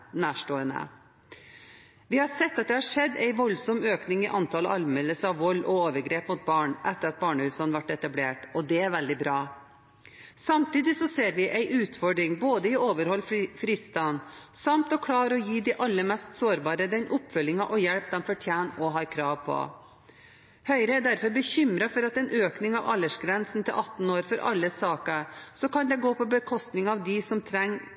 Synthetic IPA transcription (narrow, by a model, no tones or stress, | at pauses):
næːʂʈoːənə̰ | ʋɪhɑɾsɛt̪ːɑt̪̚d̪ɛhɑʂɛd̪ːæɪʋɔlsɔmøːknɪŋɪʔɑnt̪ʰɑːləɑlmɛlːəsɑʋʋɔlːʔɔoːʋəɾɡɾeːpmʊt̪̚bɑːɳʔɛt̪ːəɾɑt̪̚bɑːɳəhʉːsɑnʋɑʈːɛt̪ɑbleːʈɔd̪ɛæɾʋɛld̪ɪbɾɑː | sɑmt̪iːd̪ɪsɔseːɾʋɪʔæɪʔʉːt̪fɔɖɾɪŋboːd̪əɪoːʋəɾhɔlːffɾiːst̪ɑnsɑmt̪ɔkʰɽɑːɾɔjiːd̪ɪʔɑlːəɾmɛst̪soːɾbɑːɾəd̪ɛnʔʊpːfœlːɪŋɑʔɔjɛɽp̚d̪ɛnfɔʈʰjæːnɔɦɑːɾkʰɾɑːʋpʰɔ̰ | hœʏɾəæɖ̪æɾfɔɾbəɕʏmɾɑfɔɾɑt̪ɛɪnʔøːknɪŋɑʋɑlːəʂɡɾɛnsn̩t̪ʰɪlʔɑt̪ːn̩oːɾfɔɾʔɑ̰lːəsɑːkɑsɔkɑnd̪ɛɡoːpʰɔbəkʰɔst̪nɪŋɑʋd̪ɪsɔmt̪ʰɾɛŋː